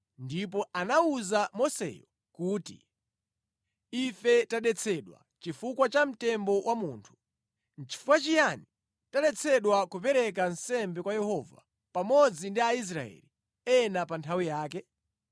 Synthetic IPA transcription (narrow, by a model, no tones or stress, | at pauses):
ndipɔanauzamɔsɛ̰jɔ | kuːtḭ | ifɛtaɗɛt͡sʰɛɗwa̰t͡ʃifukwat͡ʃam̩tɛmbɔwʔamuːntʰu̥ | n̩t͡ʃʰi̥fukwat͡ʃijani | taɗɛt͡sʰɛɗwakupɛɾɛkansɛmbɛkwajɛɦɔva̰ | pamɔd͡zindiais̬ɾa̰ɛ̰li | ɛnapantʰawijaːkɛ